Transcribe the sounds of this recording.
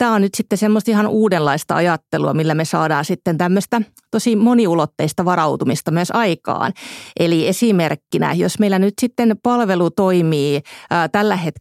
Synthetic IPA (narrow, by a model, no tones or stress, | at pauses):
t̪æːonnyt̪sit̪ːesemːost̪ihɑnuːdenlɑist̪ɑ̰ɑ̰jɑt̪ːeluɑ̰milːæmesɑːdɑːsit̪ːent̪æmːøst̪æ | t̪osimoniulot̪ːeist̪ɑʋɑrɑut̪umist̪ɑmyøsɑikɑ̰ːnʔeliesimerkːinæ̰jo̰smeilːænyt̪sit̪ːenpɑlʋelut̪oimiːt̪ælːæhet̪